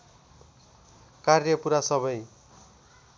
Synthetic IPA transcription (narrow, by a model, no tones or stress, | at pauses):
karjʌpuɾasʌbʌj